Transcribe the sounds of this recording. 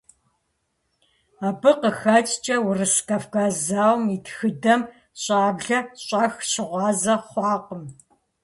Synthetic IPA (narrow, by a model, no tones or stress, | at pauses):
aːbɨqəxɐt͡ʃʼt͡ʃʼɐwʊrɨskʰaːfkʰaːzaːwmitxɨdɐm | ɕʼaːbɮɐɕʼɑxɕɪʁʷɑːzɐχʷɑːqəm